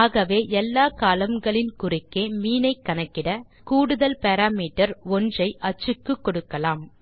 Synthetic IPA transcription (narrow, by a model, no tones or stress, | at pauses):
aːɣɐʋeːʔɛlːaːkaːlɐmɡɐɭɪnkʊrɪkːeːmiːnɐɪkːɐnɐkːɪɽɐ | kuːɽɯðɐlpɐɾaːmiːʈɐɾɔndrɐɪʔɐt͡ʃːɯkːɯkːɔɽɯkːɐlaːm